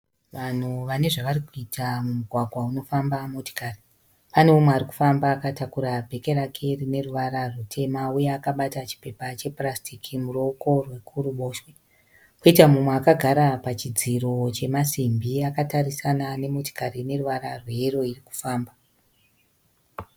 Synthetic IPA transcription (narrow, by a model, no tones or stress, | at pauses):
ʋan̤uʋane̞ʐaʋaɾikuitʰamumuɡʱwaɡʱwauno̞fambamo̞to̥kari | pane̞omweaɾiku̥fambaːkatakuɾabʱe̞ke̞ɾakʰerine̞ruʋaɾarutʰe̞maujeːkaɓatat͡ʃi̥pe̞pat͡ʃe̞prastikʰimuro̞ko̞rwe̞kʰuɾuɓo̞ːʃwe | koitamumweakaɡʱaɾapat͡ʃid͡ziɾo̞t͡ʃe̞masimbiakatarisanane̞mo̞to̥kaɾine̞ruʋaɾarwe̞eɾo̞iriku̥faːmba